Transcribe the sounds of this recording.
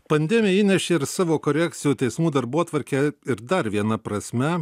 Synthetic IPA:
pɐnʲd̪ʲɛmʲɪjɛiːnʲɛʃʲeːɪɾsɑːʋoːkoːɾʲɛk̚t̪sʲɪjuːt̪ʲɛɪsmuːd̪ɐɾboɔt̪ʋɐɾʲkʲɛɪɾd̪ɐɾʋʲiɛnɐpɾɐsʲmʲɛ

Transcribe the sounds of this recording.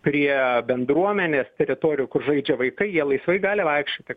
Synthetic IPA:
pʲɾʲiɛbʲɛnd̪ɾuɔmʲɛnʲeːst̪ʲɛɾʲɪt̪oːɾʲɪjʊːkʊrʒɐɪd͡ʒʲɛʋɐɪkɐɪjiɛlˠɐɪsʋɐɪɡɑːlʲɪʋɐɪkʃʲt͡ʃʲoːt̪ʲɪ

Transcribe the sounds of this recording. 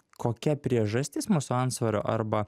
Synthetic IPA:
kʰoːkʲɛpʲɾʲiɛʒɐsʲt̪ʲɪːsmuːsʊɐnt̪sʋɐɾʲo̰ːʔɐɾbɐ

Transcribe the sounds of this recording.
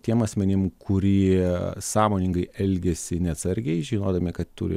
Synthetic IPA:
t̪ʲiɛmɐsʲmʲɛnʲɪmkʰʊɾʲiːsɑːmoːnʲɪŋɡɐɪɛlʲɡʲɛsʲɪnʲɛɐːt̪sɐɾʲɡʲɛɪʒʲiːnoːd̪ɐmʲɪkɐt̪t̪ṵɾʲɪ̰

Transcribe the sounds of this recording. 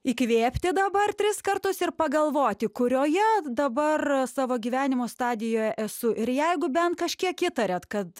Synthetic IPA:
ikʋʲeːpʲt̪ʲɪd̪ɐbɐrt̪ʲɾʲɪskɐrt̪ʊsɪrpɐɡɐlˠʋoːt̪ʲɪkʊɾʲoːjɛd̪ɐbɐrsɑːʋoːɡʲiːʋʲæːnʲɪmoːst̪ɑːd̪ʲɪjoːjɛʔɛsʊʔɪɾjɛɪɡʊbʲɛnt̪̚kɐʃʲkʲiɛkiːt̪ɐɾʲɛt̪kɐt̪

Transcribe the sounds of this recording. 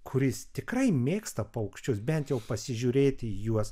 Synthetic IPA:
kʰʊɾʲɪst̪ʲɪkrɐɪmʲeːkst̪ɐpɐʊkʃʲt͡ʃʲʊsbʲɛnt̪jɛʊpɐsʲɪʒʲuːɾʲeːt̪ʲɪijuɔs

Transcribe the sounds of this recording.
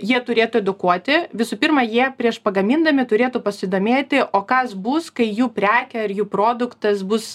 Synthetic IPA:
jiɛt̪ʊɾʲeːt̪ʊɛd̪ʊkuɔt̪ʲɪʋʲɪsuːpʲirmɐjiɛpʲɾʲiɛʃpɐɡɐmʲiːnd̪ɐmʲɪt̪ʊɾʲeːt̪ʊpɐsʲɪd̪oːmʲeːt̪ʲɪʔoːkɐsbʊskɐɪjuːpʲɾʲæːkʲɛɐɾjuːpɾoːd̪ʊkt̪ɐsbʊs

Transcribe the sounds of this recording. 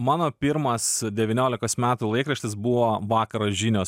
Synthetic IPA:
mɑːnoːpʲiɾmɐsd̪ʲɛʋʲɪnʲoːlʲɪkoːsmʲæːt̪uːlˠɐɪkɾɐʃʲt̪ʲɪsbuʋoːʋɑːkɐɾoʒʲiːnʲoːs

